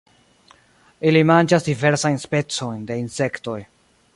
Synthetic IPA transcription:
ilimand͡ʒasdive̞ɾsajnspe̞t͡so̞jnde̞inse̞kto̞j

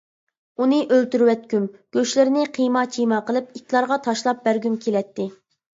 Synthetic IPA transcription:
unɨʔølt̪yɾwɛt̪̚kʲymɡ̥ʲøʃlɪɾɪnɪqʰijmɑt͡ʃʰijmɑqəlˠɨpikʲlˠɑɾʁɑt̪ʰɑʃlˠɑp̚bæɾɡʲymkʲʰelɛt̪ːɪ

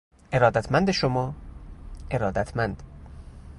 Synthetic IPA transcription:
ʔe̞ɾɒːd̪æt̪ʰmænd̪eʃomɒː | e̞ɾɒːd̪æt̪ʰmænd̪̥

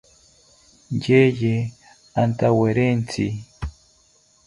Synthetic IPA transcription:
ɲɟeje | antaweɾent͡si

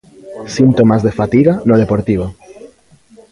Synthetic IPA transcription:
sint̪omazðefat̪iɣanoð̞epoɾt̪iβ̞o

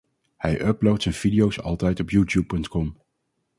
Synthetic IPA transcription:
hɛjʔœblowtsɛjnv̥idijowsɑ̰lˠtɛjtɔpjuːtjupːɵntkɔm

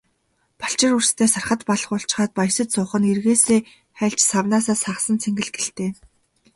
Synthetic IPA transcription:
pḁɬt͡ɕɪ̆rurst̪ʰeːsarχə̆t̪paɮ̆χʊɬt͡ɕ̆χaːt̪̚paj̆sə̆t̪sʊːχə̆nerɣeːseː | χæɮt͡ɕsawnaːsaːsaχsə̆nt͡sʰeŋɡɘ̆ɮɡe̥ɬt̪eː

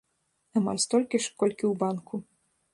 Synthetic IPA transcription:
ɐma̰lʲst̪ɔlʲkʲiʂkɔlʲkʲiwbankʰu

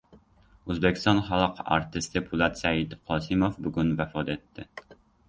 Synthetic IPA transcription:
ɵzbekʲʰɪst̪ɒnχalˠqa̰ɾt̪ʰɪst̪ɪpʰʊlˠat̪saɪd̪qʰɒsɪmofbʊɡʲʊnvafɒt̪e̞t̪ʰːɪ

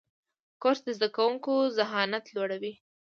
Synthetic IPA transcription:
koɾsd̪əzd̪akawuŋkozaɦɑnat̪lwoɽawi

